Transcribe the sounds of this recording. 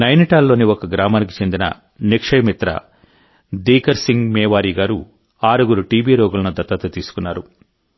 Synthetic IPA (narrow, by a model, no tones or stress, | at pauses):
nɐjniʈaːlːo̞ːniɔkɐɡɾaːmaːnik̬i̥t͡ʃe̞nd̪inɐ̰ | nikʂɐjmit̪ɾɐ̰ | d̪iːkɐɾsiŋɡmɛːʋaːɾiːɡaːɾu | aːɾuɡuɾuʈiːbiːɾɔːɡulɐnud̪ɐt̪ːɐt̪ɐt̪iːsu̥kunːaːɾu